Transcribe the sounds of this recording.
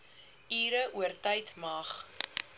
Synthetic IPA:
iːɾəʔuərtɐjtmɐχ

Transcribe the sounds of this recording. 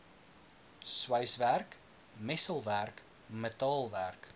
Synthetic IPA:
swəɥsværk | mɛsəlˠværk | mətɑːlˠværk

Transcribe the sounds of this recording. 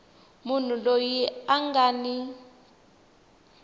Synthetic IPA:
mun̤ulojiaŋɡaːni

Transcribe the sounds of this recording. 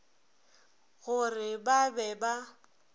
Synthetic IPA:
ɣʊrɪbabɛba

